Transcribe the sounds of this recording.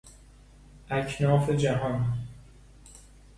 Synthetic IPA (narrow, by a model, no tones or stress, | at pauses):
ʔæcʰnɒːfed͡ʒæɦɒːn